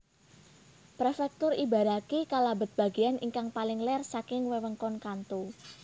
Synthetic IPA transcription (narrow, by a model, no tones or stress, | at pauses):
pɾefɛk̚t̪ʊriba̤ɾakikalabə̤t̪̚b̥a̤ɡianʔḭŋkaŋpalɪŋlɛrsakɪŋwewəŋkɔnkant̪u